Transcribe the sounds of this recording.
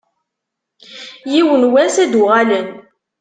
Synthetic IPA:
jiwənwæsæd̪ʊʁælən

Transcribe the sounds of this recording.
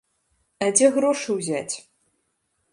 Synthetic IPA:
ad͡zʲeɣɾoʂɨwzʲat͡sʲ

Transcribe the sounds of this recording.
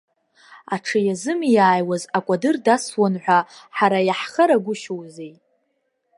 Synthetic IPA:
aʈ͡ʂʰɨjazɨmijaːjwazakʷʼadɨrdaswanħʷᶣaħaɾajaħχəɾaɡʷʊʃowzej

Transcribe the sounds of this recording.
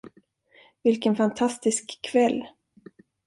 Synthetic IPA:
vɪlkənfant̪ʰast̪ɪskʰːvɛlː

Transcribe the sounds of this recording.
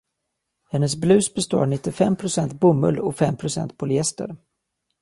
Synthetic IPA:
hɛnːəs̬blʉ̟ːsbɛst̪o̰ːɳɪt̪ːɪfɛmːpʰɾʊsɛnt̪̚bɵmːɵ̰lːɔfɛmːpʰɾʊsɛ̰nt̪̚pʰʊlʏɛst̪ə̰ɾ

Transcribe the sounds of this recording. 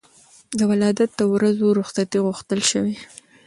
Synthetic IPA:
d̪əwalɑd̪at̪̚d̪əwɾazoɾʊxsat̪iɣʊxt̪əlʃəwi

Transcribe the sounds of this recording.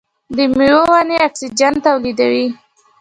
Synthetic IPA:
d̪əmiwowaneaksid͡ʒant̪awlid̪awi

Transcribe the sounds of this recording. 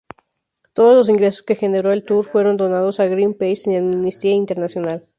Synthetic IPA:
t̪o̞ð̞o̞zlo̞s̬iŋɡɾe̞so̞̥ske̞xe̞ne̞ɾo̞e̞lt̪uɾfwe̞ɾo̞nd̪o̞nað̞o̞saɣɾimpejsenaminist̪iaint̪eɾnasjo̞nal

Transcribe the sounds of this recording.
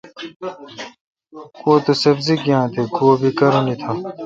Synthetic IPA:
koːt̪osebzikjãːt̪ʰeɡoːbikɐɾonit̪ʰa

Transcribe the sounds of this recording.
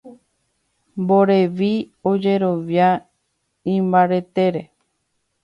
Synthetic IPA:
mbo̞ɾe̞ʋi | o̞d͡ʒe̞ɾo̞ʋja | ĩmbaɾe̞t̪e̞ɾe

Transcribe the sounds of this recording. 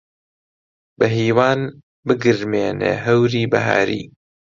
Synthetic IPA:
bɐɦiːwaːn | bɨɡɨɾmeːnḛːɦɐwɾiːbɐɦa̰ːɾḭː

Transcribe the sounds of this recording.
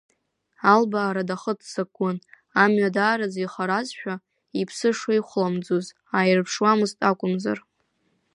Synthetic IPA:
albaːɾadaχətʰsaɡʷʊn | amɥadaːɾad͡ziχaɾazʃᶣa | ipʰsɨʂaiχʷlamd͡zuz | ajrpʰʂwamɨztʼakʷʼʊmza̰r

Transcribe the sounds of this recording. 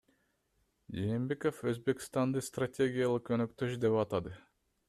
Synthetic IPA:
d͡ʒeːmbe̞ko̞føzbe̞kʲst̪ɑnd̪ɯst̪ratʲe̞ɡʲijalˠɯqønøkt̪ø̞ʃd̪e̞pɑt̪ɑd̪ɯ

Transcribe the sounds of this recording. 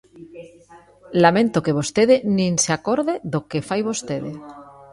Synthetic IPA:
lamẽnt̪okeβ̞ost̪eðenĩnseakoɾðeðokefajβost̪eðe

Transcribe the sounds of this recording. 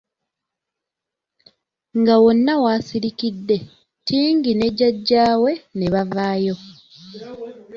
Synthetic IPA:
ŋɡawo̞nːawaːsiɾikidːe̞ | tiːŋɡine̞ɟaɟːaːwe̞ne̞βavaːjo̞

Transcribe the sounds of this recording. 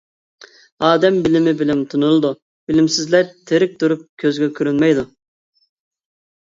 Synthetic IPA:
ɑːd̪ɛmbɪlɪmɪbɪlɪmt̪ʰunulˠɨd̪u | bɪlɪmsɪzlɛɾt̪ʰeɾɪk̚ʲt̪uɾup̚kʲʰøzɡʲɛkʲʰyɾynmɛjd̪u

